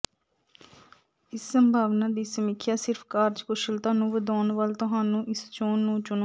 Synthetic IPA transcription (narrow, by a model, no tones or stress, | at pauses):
ɪsːəmbʱaːʋnaːd̪iːsəmɪkʰːjaːsɪɾpʰkaːɾd͡ʒkʊʃəlt̪aːnũːʋəd̪aːnʋəlt̪ʊɦaːnũːʔɪst͡ʃoːnːũːt͡ʃʊn